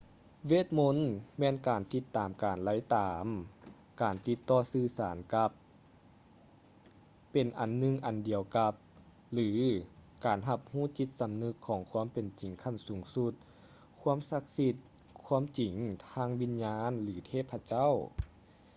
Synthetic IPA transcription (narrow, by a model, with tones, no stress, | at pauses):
weː˧˥˩t̪̚mo˧˥nmɛː˧˥˨nkaː˨˩nt̪i˧t̪ːaː˨˩mkaː˨˩nla˧˥jt̪aː˨˧m | kaː˨˩nt̪i˧t̪ːɔː˧˩sɯː˧˩saː˨˩˦nka˧p | e˨˩nʔa˨˩nːɯ˧ŋʔa˨˩ndi˨˩əwka˧p̚ | lɯː˨˩˦kaː˨˩nɦa˧p̚huː˥˨t͡ɕi˧˦t̪̚sa˨mnɯ˧˥kʰːɔː˨˦ŋkʰu˧˥ə˨mpe˨˩nt͡ɕi˨˩ŋkʰa˧˩˨nsuː˨˩˦ŋsu˧t̪̚ | kʰu˧˥ə˨msa˧˥k̚si˧t̪̚ | kʰu˧˥ə˨mt͡ɕi˨˩ŋt̪ʰaː˧˥ŋwi˧˥nɲaː˧˥nlɯː˩˦t̪ʰeː˧˩pʰːa˧t͡ɕa˥˨w